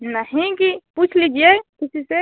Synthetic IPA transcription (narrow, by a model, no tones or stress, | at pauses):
nɐɦĩkipuːt͡ʃʰlid͡ʒiekɪsise